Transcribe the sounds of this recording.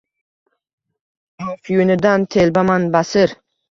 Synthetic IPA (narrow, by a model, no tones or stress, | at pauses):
ofjunɪd̪ant̪ʰelbamanbasɪɾ